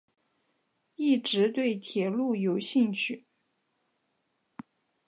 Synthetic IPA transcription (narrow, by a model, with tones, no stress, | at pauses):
i˥˩ʈ͡ʂɻ̩˧˥t̪we˥˩ɪt̪ʰjɛ˨˩lu˥˩jo˨˩ʊɕi˥˧ŋt͡ɕʰy˥˩